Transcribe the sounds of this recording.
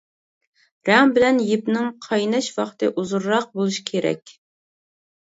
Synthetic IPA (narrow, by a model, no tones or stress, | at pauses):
ɾɛŋbɪlɛnjipnɪŋqʰɑjnɛʃwɑqt̪ɨʔuzuɾːɑq̚bolˠuʃi̥kʲʰeɾɛ̰kʲ